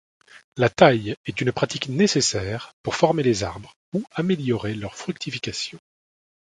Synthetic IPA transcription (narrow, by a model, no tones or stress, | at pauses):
lat̪ajɛt̪ynpχat̪iknesesɛːʁpuʁfɔʁmelezaʁbʁ | uameljɔʁelœʁfχyk̚t̪ifikasjɔ̃